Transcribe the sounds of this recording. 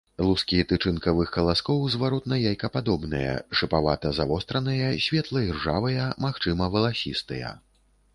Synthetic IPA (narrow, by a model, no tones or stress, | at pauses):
lˠuskʲit̪ɨt͡ʂɨnkɐvɨxkɐlˠaskɔwzvaɾɔt̪̚nɐjajkɐpad̪ɔbnɨ̰jɐ̰ʂɨpavat̪ɐzavɔst̪ɾɐnɨjɐsʲvʲɛt̪lˠɐirʐavɐjɐmaxt͡ʂɨmɐvɐlˠasʲist̪ɨjɐ̰